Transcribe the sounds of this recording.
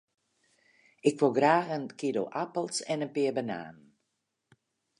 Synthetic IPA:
ɪkʋolˠɡraːxənkido̰ʔapəlˠsɛnənpɪəbəna̰ːnn

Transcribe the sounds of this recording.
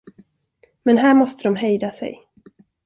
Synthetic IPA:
mɛnɦæːɾmɔst̪əd̪ɔmɦɛjd̪asɛ̰j

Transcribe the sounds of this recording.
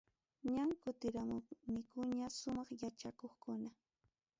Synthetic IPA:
ɲaŋkʊt̪ɪɾamʊnɪkʊɲasʊmɑχjat͡ʃakoχkʊna

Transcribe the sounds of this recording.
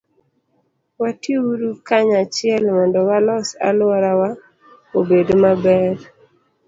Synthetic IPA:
wateuɾukaɲat͡ʃɪɛlmɔndɔwalɔsa̰lʊɔɾawa | obedomabɛɾ

